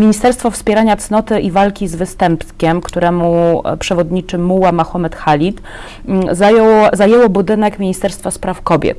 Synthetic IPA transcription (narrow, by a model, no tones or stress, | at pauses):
mʲiɲist̪ɛɾst̪fɔfspʲjɛɾaɲat̪snɔt̪ɘʔivalkʲizvɘst̪ɛmp̪kʲɛmkt̪uɾɛmupʂɛvɔd̪ɲit͡ʂɘmuwamaxɔmɛt̪xalʲit̪ | zajɔwzajɛwɔbud̪ɘnɛkmʲiɲist̪ɛɾst̪faspɾafkɔbʲjɛ̰t̪